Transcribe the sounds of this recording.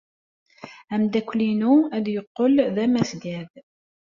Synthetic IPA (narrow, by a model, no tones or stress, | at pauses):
æmd̪ækʷlinuæd̪jəqːəlðæmæsɡæð